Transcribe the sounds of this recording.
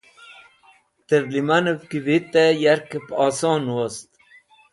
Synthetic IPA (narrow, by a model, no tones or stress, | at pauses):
t̪əɾlimanəfkivit̪ejaɾkepɑːsɑːnwost̪